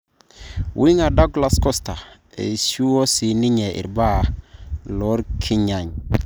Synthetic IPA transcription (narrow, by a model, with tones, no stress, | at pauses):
wʔi˦ŋa˨da˦ɡla˦skɔ˦sta˨ | ḛ˨su˦o˦si˨ni˦ɲɛ˨ḭ˨ɾba˦˨lɔ˦ɾkʰi˦ɲa˨ɲ